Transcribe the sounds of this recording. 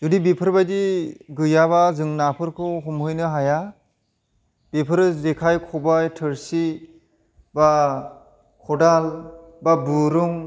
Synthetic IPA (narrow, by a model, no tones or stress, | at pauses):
zudibipʰɯɾbajdiɡɯjaβazɯŋnapʰɯɾkʰɯɦumɦɯjnɯɦaja | b̥ipʰɯɾzekʰajkʰɔbajtʰɯɾsi | ba | kʰɔdal | babuɾuŋ